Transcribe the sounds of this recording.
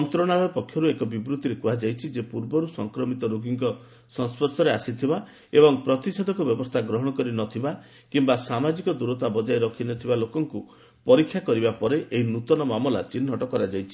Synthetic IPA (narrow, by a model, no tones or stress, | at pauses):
ɔnt̪ɾɔɽ̃aɭɔpɔkʰːjɔɾuekɔbibɾut̪iɾekuad͡ʒajt͡ʃʰid͡ʒepuɾbɔɾusɔŋkɾɔmit̪ɔɾoɡʱiŋkɔ | sɔ̃nspʰɔɾsɔɾeasit̪ʰiba | ebɔŋpɾɔt̪ised̪ʱɔŋkɔbjɔbɔst̪ʰaɡɾɔɦɔɽ̃ɔkɔɾinɔt̪ʰiba | kimbasamad͡ʒikɔd̪uɾɔt̪abɔd͡ʒajɾɔkʰinɔt̪ʰibalokɔŋku | pɔɾikʰːjakɔɾibapɔɾeʔeɦinut̪ɔnɔmamɔla̰t͡ʃinːɦɔʈɔkɔɾad͡ʒajt͡ʃʰi